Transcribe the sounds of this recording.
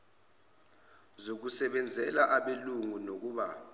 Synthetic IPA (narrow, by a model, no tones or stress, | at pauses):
zok̬usɛɓɛnd͡zʱɛlaʔaɓeluŋunok̬uːɓa